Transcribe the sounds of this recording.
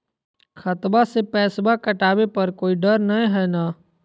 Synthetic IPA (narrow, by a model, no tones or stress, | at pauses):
xʰət̪basepɛːsbakɐʈaːwepɐɾkoːiɖəɾnɐẽɦɛːnaː